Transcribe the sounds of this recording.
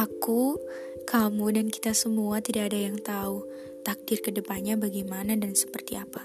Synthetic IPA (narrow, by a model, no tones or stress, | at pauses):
ʔaku | kamudanki̥t̪asəmuat̪idaːdajaŋt̪auh | t̪ak̚dɪrkədəpanɲabaɡajmanadansə̥pərt̪iapḁ